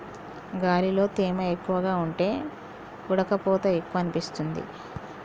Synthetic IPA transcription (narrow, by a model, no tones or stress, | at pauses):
ɡaːlilo̞ːt̪iːmɐekːuʋɐɡaːuɳʈe̞ː | uɽɐkɐpɔːt̪ɐe̞kːuʋɐnipist̪und̪ḭ